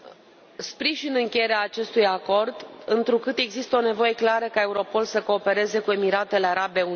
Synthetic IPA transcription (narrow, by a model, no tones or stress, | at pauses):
spɾiʒinɨŋkʲejeɾeaːt͡ʃe̞st̪ujako̞rd̪ɨnt̪ɾukɨt̪e̞ɡzist̪əo̞ne̞vo̞je̞klaɾəkae̞uɾo̞po̞lsəko̞ːpe̞ɾe̞ze̞kue̞miɾat̪e̞leaɾabe̞u